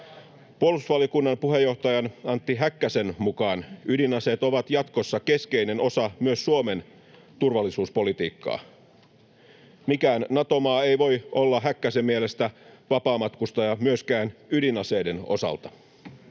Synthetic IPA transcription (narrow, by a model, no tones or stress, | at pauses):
puolusʋɑliokunːɑmpuhejːo̞ht̪ɑjɑnɑnt̪ːiɦækːæsenmukɑːnydinɑseːt̪oʋɑt̪jɑt̪kosːɑke̞skeine̞no̞sɑmyøsːuomen | t̪urʋɑlːisuːspo̞lit̪iːkːɑ̰ː | mikæːnːɑt̪o̞mɑːeiʋo̞jʔolːɑɦækːæsemːielest̪æʋɑpɑːmɑt̪kust̪ɑjɑmyøskæːnydinɑsejde̞no̞̰sɑ̰lt̪ɑ̥